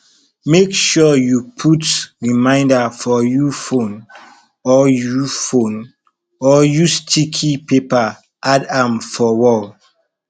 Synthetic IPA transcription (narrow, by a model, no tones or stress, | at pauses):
mekʃɔjupʰutɹimãɪ̃ndafɔjufõn | ɔjufõn | ɔjustʰikʰipepa | ʔadãmfɔwɔl